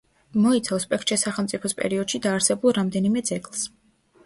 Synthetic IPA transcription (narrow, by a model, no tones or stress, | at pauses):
mɔit̪sʰafspʼɛkʰtt͡ʃ̪ɾɛsaχɛlˠmt̪sʼipʰɔspʼɛ̰ɾiɔd̪ʃid̪aːɾsɛbulˠɾamd̪ɛnimɛd̪zɛɡlˠs